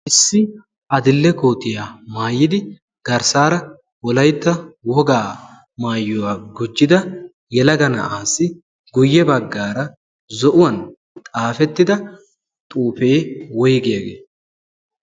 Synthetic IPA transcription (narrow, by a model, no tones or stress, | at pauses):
ʔɪsːɪ | ʔɐd̪ɪlːɛkoːt̪ʼːɪjaːmaːjːɪd̪ɪ | ɡ̥ɐɾsaːɾɐ | wɔlɐjt̪ːɐwɔɡaː | maːjːɔwaːɡʊd͡ʒːɪd̪ɐ | jɛlɐɡɐnɐ̰ʔaːsːɪ | ɡʊjːɛbɐɡːaːɾɐ | zɔʔʊwɐn | t̪ʼaːfɛt̪ːɪd̪ɐ | t̪ʼuːfe̞ːwɔjɡejɐɡḛː